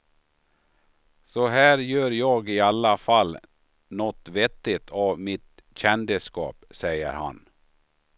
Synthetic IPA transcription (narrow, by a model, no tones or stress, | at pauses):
sɔɦæːɾjøːɾjɑːɡɪalːafalː | nɔt̪ːvɛt̪ːɪt̪ʰɑvmɪt̪ | ɕɛnd̪əskɑ̰ːpsɛjə̰ɾha̰n